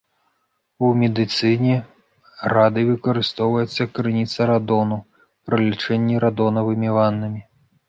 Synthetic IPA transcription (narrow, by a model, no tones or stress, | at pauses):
umʲɛd̪ɨt̪sɨnʲɛ | ɾad̪ɨvɨkɐɾɨst̪ɔwvɐjɛt̪sːɐkɾɨnʲit̪sɐɾad̪ɔnu | pɾɨlʲit͡ʂɛnʲːiɾad̪ɔnɐvɨmʲivanːɨmʲi